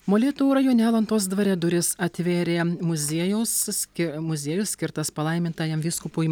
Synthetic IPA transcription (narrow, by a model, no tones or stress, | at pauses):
moːlʲeːt̪uːɾɐjoːnʲæːlˠɐnt̪oːs̬d̪ʋɐɾʲɛd̪ʊɾʲɪsɐt̪ʲʋʲeːɾʲeːmʊzʲiɛjɛʊssʲkʲɪmʊzʲiːjʊssʲkʲɪɾt̪ɐspɐlˠɐɪmʲɪnt̪ɑːjɛmʋʲiːskʊpuː